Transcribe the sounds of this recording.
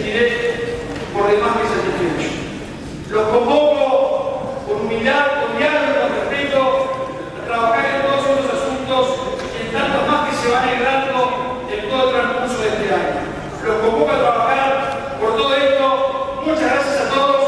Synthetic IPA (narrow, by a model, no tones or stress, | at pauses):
t̪iɾe | poɾðemahkeseat̪ent̪ios | lokomboko | uɾmilaɾkonjaɾeoefɾit̪o | at̪ɾaβaxaɾent̪oðos̬uosasunt̪os | ent̪ant̪omahkeseβaneɣɾand̪o | ent̪oðot̪ɾaŋkuɾsoðest̪eaɲo | lokombokat̪ɾaβaxaɾ | poɾt̪oðoest̪omũnt͡ʃazɣɾasjasat̪oðos